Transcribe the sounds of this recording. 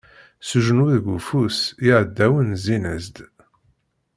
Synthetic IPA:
suʒənwiðɡufusiʕəd̪ːæwənzinəzd̪

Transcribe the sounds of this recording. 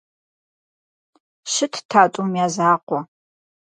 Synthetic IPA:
ʃɨtʰtʰaːtʼumijaːzaːqʷɔ

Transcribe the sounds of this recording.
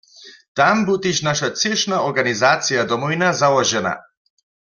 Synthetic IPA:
t̪ambut̪iʃnaʃat̪sɛʃnaɔɾɡanizat̪sijad̪ɔmɔinazalˠɔʒɛna̰

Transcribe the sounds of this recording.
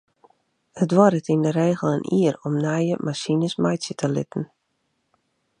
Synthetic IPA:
hətʋɔɾətindəɾeːɣəlˠənʔiəɾɔmnajəmʔasinəsmajsjətʰəlɪ̰tən̩

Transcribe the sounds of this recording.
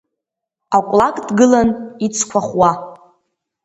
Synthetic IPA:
akʷʼlakʼdɡɨlanit͡sʰkʷʰaχwa

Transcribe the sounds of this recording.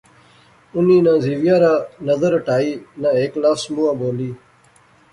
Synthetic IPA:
ʊnĩːnãːziːʋjaːɾaːnəzəɾʈaːiːnãːeːklaːsmuːãːboːliː

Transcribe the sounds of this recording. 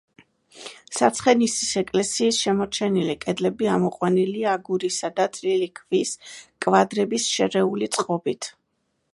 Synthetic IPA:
sat̪sʰχɛnisisɛkʼlɛsiːsʃɛmɔɾt͡ʃʰɛnilikʼɛd̪lɛbiamɔqʼwaniliaːɡuɾisad̪at̪ʼlilikʰviskʼvad̪ɾɛbisʃɛɾɛulit̪sʼqʼɔbit̪ʰ

